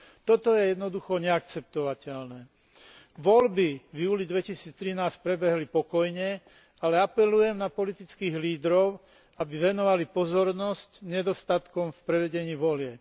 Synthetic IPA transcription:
t̪ɔt̪ɔjɛjɛd̪nɔd̪uxɔɲɛakt͡sɛp̚t̪ɔʋacɛlnɛː | ʋɔlbivjuːlid̪ʋɛcisiːt͡st̪ɾinaːsc̚pɾɛbɛɦlipɔkɔjɲɛ | alɛapɛlujɛmnapɔlit̪it͡skiːɣliːd̪ɾɔʊ | abiʋɛnɔʋalipɔzɔɾnɔscɲɛd̪ɔst̪at̪kɔmfpɾɛʋɛɟɛɲiːʋɔlɪɛp

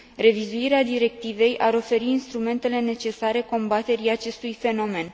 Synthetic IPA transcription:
re̞vizuiɾead̪iɾe̞k̚t̪ive̞jʔaɾo̞fe̞ɾiːnst̪ɾume̞nt̪e̞le̞ne̞t͡ʃe̞saɾe̞ko̞mbat̪e̞ɾiat͡ʃe̞st̪ujfe̞no̞me̞n

